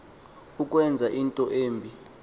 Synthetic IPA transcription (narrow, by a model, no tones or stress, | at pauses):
uk̬ʼwɛnd͡zʱaʔintʼɔʔeːmbʱi